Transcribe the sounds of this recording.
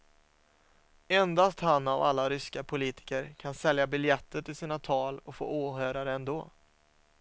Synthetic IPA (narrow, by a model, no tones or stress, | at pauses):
ɛnd̪ast̪hanːava̰lːaɾʏskapʰʊliːt̪ɪ̥kəɾkʰansɛljabɪljɛt̪ːəʈɪlsiːnat̪ʰɑːlɔkfo̰ːuːɦøːɾaɾəɛnd̪oː